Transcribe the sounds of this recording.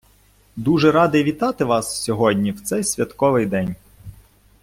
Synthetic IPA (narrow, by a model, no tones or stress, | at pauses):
d̪uʒɛɾɑd̪ɪʋʲit̪ɑt̪ɪʋɑssʲɔɦɔdʲnʲiwt̪sɛjsʲʋʲɐt̪kɔʋɪjd̪ɛnʲ